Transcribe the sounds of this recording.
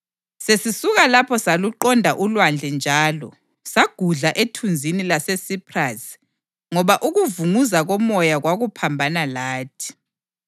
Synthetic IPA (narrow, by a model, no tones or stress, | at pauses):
sesisuɣalapʰɔsaluǃɔndʱaʔulwand͡ɮʱɛnd͡ʒʱaːlɔ | saɡ̥ʱuɮaʔetʰund͡zʱinilasesipʰras | ŋɔβaʔuɣuvuŋuzaɣɔmɔjaɣwaɣupʰambʱanalaːtʰi̥